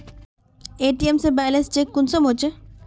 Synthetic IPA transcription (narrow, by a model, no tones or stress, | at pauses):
eʈiemsebɛjlenst͡ɕekːunsomɦot͡ɕʰe